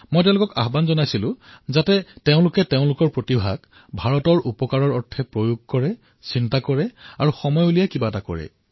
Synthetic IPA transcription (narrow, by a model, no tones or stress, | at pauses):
mɔjtɛʊ̃lʊkɔka̰xbanzɔnajsilʊ̃zatɛteʊ̃lʊkɛteʊ̃lʊkɔɹpɹotibʱa̰ɡ | bʱaɹɔtɔɹʔupɔkaɹɔɹɔɹtʰːɛpɹojuɡ̚kɔɹɛ | sintakɔɹɛaɹuxɔmɔjulijɛkibatakɔ̰ɹɛ̰